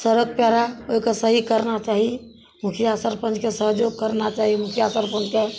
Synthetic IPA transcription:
səɾəɡ̚pjaɾaoikəsəɦikəɾnat͡ʃaɦi | mukʰijasəɾpə̃nd͡ʒkesəɦd͡ʒoɡ̚kəɾnat͡ʃaɦimukʰijasəɾpə̃nd͡ʒke

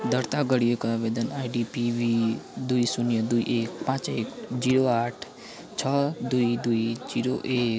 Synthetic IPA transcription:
d̪əɾt̪aɡəɽijekaʋed̪ənajɖipiʋid̪uisunjəd̪uiʔeːk̚pãt͡ʃeːkd͡ʒiɽoaːʈʰ | t͡ʃʰəd̪uid̪uid͡ʒiɾoʔeːk

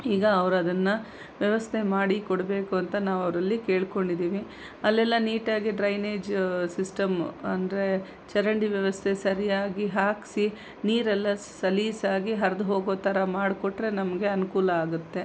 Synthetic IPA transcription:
iːɡɐːʋɐɾuɐd̪ɐnːɐ | ʋjɐʋɐst̪ʰe̞maːɽikɔɽɐbe̞ːkuɐnt̪ɐnaːʋɐʋɐɾɐlːike̞ːɭkoɳɖid̪iːʋi | ɐlːɛlːɐniːʈaːɡiɖɾɐjneːd͡ʒsisʈɐmɐnd̪ɐɾe̞ | t͡ʃɐɾɐɳɖiʋjɐʋɐst̪ʰe̞sɐɾijaːɡiɦaːksi | niːɾɛlːɐ | sɐliːsaːɡiɦɐɾɐd̪uɦoːɡoːt̪ɐɾɐmaːɽkɔʈɾe̞nɐmɐɡe̞ɐnukuːlɐaːɡut̪ːe̞

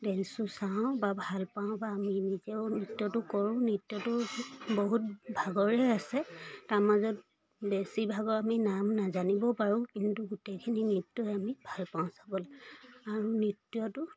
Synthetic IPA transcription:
dɛnsusaʊ̃babʱalpaʊ̃baːminizɛʊnitːjɔtʊkɔɹʊ̃nitːjɔtʊbɔɦut̚bʱaɡɔɹɛasɛtaɹmazɔt̚ | besibʱaɡɔaminamnazanibɔpaɹʊ̃kintuɡutekʰininitːɔamibʱalpaʊ̃sabɔlɛaɹunitːjɔtʊ

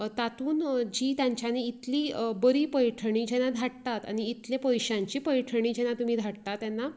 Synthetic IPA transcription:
t̪at̪uːnd͡ʑiːt̪jãɲt͡ɕjaniːt̪libəɾiːpəjʈʰəɳ̃iːd͡ʑɛnad̪ʱaʈt̪at̪a̰ñiːt̪ljepəjɕãɲt͡ɕiːpəjʈʰəɳ̃iːd͡ʑɛnat̪um̤iːd̪ʱaɽt̪at̪ːjanːa

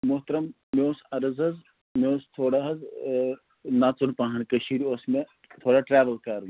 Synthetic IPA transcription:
mʊɦt̪ɾɐm | meoːsɐɾɐzɐz | meoːst̪ʰoːɽaɦɐz | naːt͡sunpãːɦɐnkɐʃiːɾioːsmẽ | t̪ʰoːɽaʈɾaːʋəlkaːɾn

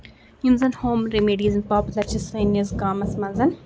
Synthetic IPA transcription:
junzɐnhoːmɾemeːɖizmpaːpulɐɾt͡ʃisɐːnɐzɡaːmɐsmɐnzɐn

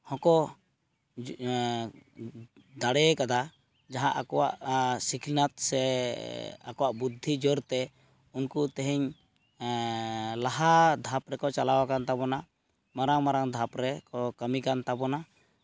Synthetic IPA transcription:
hɔ̃kɔ | d̪aɽɛkad̪a | d͡ʒaɦãʔakɔwa̰ʔsikʰinat̪̚sɛ | a̰kɔwaʔbud̪ʱːid͡ʒɔɾt̪ɛ | unkut̪ɛɦɛɲ | laɦad̪ʱapɾɛkɔt͡ʃalawakant̪abɔna | maɾaŋmaɾaŋd̪ʱapɾɛkɔkəmikant̪abɔna

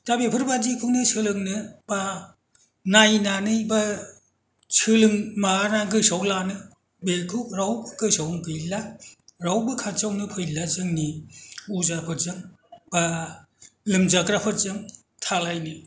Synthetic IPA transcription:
tabepʰɯɾbad͡ʒikʰuwnɯsʰɯlɯŋnɯb̥a | najnanɯjba | t͡ʃʰɯlɯŋmanaɡɯsawlanɯ | bekʰɯɾawbɯkɯsawŋkɯjlaɾawbɯkʰat͡ʃawnɯpʰɯjlazɯŋniuzapʰɯɾzɯŋ | b̥a | lɯmzakɾapʰɯɾzɯŋ | tʰalajnɯ

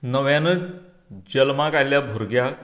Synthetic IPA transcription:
nəʋjãnə | d͡ʑəlmakaljabʱoɾɡja

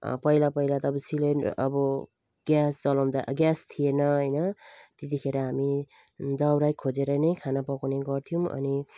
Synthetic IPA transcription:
pʌjlapʌjlat̪ʌpʌsileʌ̰bʌ | ɡ̥jasd͡zʌlʌmd̪a̰ɡjast̪ʰijenʌɦʌjnʌt̪et̪ikʰeɾʌɦami | d̪ʌwɾajkʰod͡zeɾʌnʌjkʰanapʌkaneɡʌrt̪ʰijũʔʌ̰ni

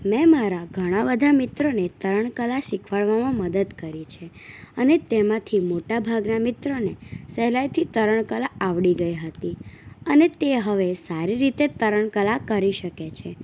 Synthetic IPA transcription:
mɛ̃maɾaɡʱəɽ̃abəd̪ʱamɪt̪ɾonet̪əɾəɳ̃kəlaʃikʰʋaɭʋamãməd̪əd̪kəɾit͡ʃʰeənet̪emãt̪ʰimoʈabʱaɡnamɪt̪ɾonesɛɦlajt̪ʰit̪əɾəɳ̃kəlaaʋɽiɡəjɦət̪iənet̪eɦəʋesaɾiɾit̪et̪əɾəɳkəlakəɾiʃəket͡ʃʰe

